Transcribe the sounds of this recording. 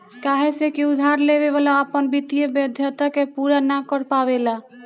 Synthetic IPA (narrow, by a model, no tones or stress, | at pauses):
kaɦesekiud̪ʱaɾleβeβalaəpənbit̪ijebjəd̪ʱjət̪akepuɾanakəɾpaβela